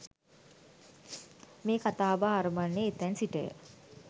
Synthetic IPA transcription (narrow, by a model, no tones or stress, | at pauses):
meːkat̪aːbaːɾumanːeːt̪ɛnsiʈəjə̰